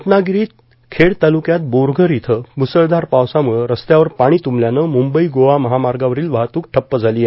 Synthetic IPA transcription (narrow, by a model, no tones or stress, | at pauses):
ət̪naɡiɾiːt̪̚ | kʰeɭt̪alukjat̪̚boɾɡʱəɾit̪ʰəbusəɭd̪aɾpawsamuɭəɾəst̪jaʋəɾpaɽ̃iːt̪umljanəmumbəiːɡoʋaməɦamaɾɡaʋəɾiːlʋaɦt̪uːk̚ʈʰəpːəd͡zʱaliːje